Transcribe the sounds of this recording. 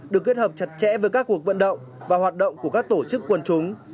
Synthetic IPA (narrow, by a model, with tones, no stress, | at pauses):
ɗɨ˨˩kːi˦˥t̚həː˨˩p̚t͡ɕə˨˩t̚t͡ɕɛ̰˧˥vəː˨˦jkaː˦˥k̚ːu˨˩ək̚və̰˧˨nɗə̰˧˨wŋ͡m | vaː˨˩ɦwaː˨˩t̚ɗə̰˧˨wŋ͡mku˧˩əkaː˦˥k̚t̪o˧˩t͡ɕɨ˦˥kːwə˧nt͡ɕʊ˨˦ŋ͡m